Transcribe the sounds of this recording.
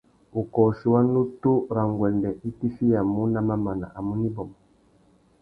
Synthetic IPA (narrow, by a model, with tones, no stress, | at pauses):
u˨kɔ˨si˨wa˦nu˦tu˦ɾa˨ŋɡwɛ˨ndɛ˨ʔi˦ti˦fi˦ja˨mu˦na˦ma˦ma˨na̰˨ʔa˨mu˦ni˦bɔ˨mɔ˨